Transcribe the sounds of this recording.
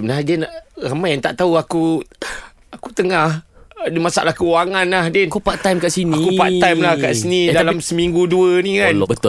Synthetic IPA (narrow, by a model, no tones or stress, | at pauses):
səbənaɦdiənaʔramajaŋt̪aʔt̪auaku | akut̪əŋahdəmasa̰ʔlahkəwaŋanlahdenkupaʔt̪ajmkaʔsinaikkupat̪ajmlahka̰ʔsinidalamsəmiŋɡuduənikanbət̪